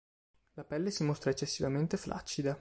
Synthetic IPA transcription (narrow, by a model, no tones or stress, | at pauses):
lapɛlːesimost̪ɾaet͡ʃːesːivament̪eflʔa̰t͡ʃːid̪a